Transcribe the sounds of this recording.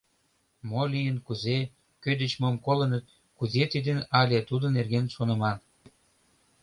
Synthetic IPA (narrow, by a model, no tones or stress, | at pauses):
molijənkuze | kød̪ə̆t͡ɕmomkolə̆nət̪̚ | kuzet̪id̪ənɑlʲet̪ud̪ŏnerɣenʃonə̆mɑn